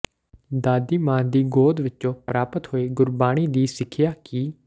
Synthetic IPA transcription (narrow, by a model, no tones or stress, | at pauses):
d̪aːd̪iːmãːnd̪iːɡoːd̪ʋɪtːt͡ʃõːpɾaːpət̪hoːeːɡʊɾbaːɽ̃iːd̪iːsɪkʰɪjaːkɪ